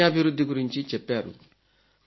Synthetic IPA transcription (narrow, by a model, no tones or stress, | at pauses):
abiɾud̪ikuɾint͡ʃit͡ʃɛpɛɾṵ